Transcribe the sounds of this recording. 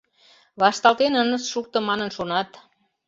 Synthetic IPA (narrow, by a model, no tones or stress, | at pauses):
βɑʃt̪ɑlt̪enənəsʃuk̚t̪ɤ̆mɑnənʃonɑt̪